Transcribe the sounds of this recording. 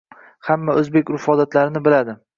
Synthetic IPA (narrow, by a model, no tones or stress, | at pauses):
hamːaʔɵzbekʲɾʊfɒd̪at̪laɾɪnɪbɪlad̪ɪ